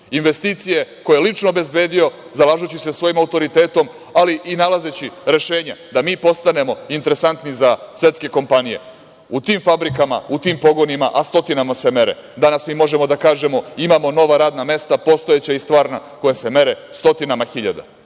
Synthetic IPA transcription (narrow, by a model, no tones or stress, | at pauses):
inʋe̞st̪iːt̪sije̞ko̞jelit͡ʃnoːbezbe̞ːd̪ijo̞zalˠaːʒut͡ɕisesʋo̞jimaut̪o̞ɾit̪eːt̪o̞m | aliʔinalaze̞t͡ɕiɾe̞ʃe̞ːɲad̪amiːpo̞st̪ane̞mo̞int̪eɾe̞sant̪nizasje̞t̪ske̞ko̞mpanije̞̰ | ut̪iːmfabɾikama̰ut̪iːmpo̞ɡo̞nimaʔast̪o̞t̪inamase̞me̞ɾḛd̪anasmiːmo̞ʒe̞mo̞d̪akaːʒe̞mo̞imaːmo̞no̞ʋaɾaːd̪name̞st̪apo̞st̪o̞jet͡ɕaist̪ʋaːɾnako̞jeseme̞ɾe | st̪o̞t̪inamaxiʎa̰d̪a̰